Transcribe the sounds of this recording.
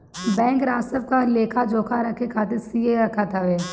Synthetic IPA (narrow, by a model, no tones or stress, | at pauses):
bɛ̃ːŋkɾaːsəb̚kaleːkʰad͡ʒoːkʰaɾɐkʰekʰaːt̪̬ɪɾsieɾɐkʰat̪ʰaʋeː